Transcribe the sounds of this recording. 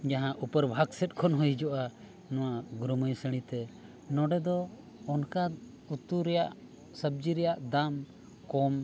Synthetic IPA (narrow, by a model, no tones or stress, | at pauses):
d͡ʒaɦãʔupəɾbʱaɡsɛt̪̚kʰɔnɦujd͡ʒɔʔa | nɔ̃waɡɾuməjsəɽ̃ĩt̪ɛ | nɔɖɛd̪ɔː | nka | ut̪uɾɛjaʔ | səb̚d͡ʒiɾɛjaʔd̪am | kɔm